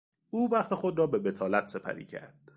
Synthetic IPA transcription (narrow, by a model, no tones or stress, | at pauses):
uːvæχt̪ʰexo̞d̪ɾɒːbebet̪ʰɒːlæt̪ʰse̞pʰæ̰ɾḭːcʰæ̰ɾd̪̥